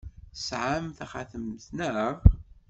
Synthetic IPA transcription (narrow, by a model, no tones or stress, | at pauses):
sʕamθæχaθəmθnəʁ